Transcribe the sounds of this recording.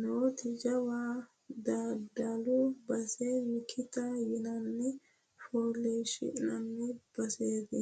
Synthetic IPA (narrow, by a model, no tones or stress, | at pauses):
not̪ɪd͡ʒɐwaː | d̪aːd̪alubɐsemɪkʰːɪt̪ɐjɪnɐnːɛ | foːleːʃɪ̰ɪ̰nɐnːɛb̥ɐseːd̪ɛ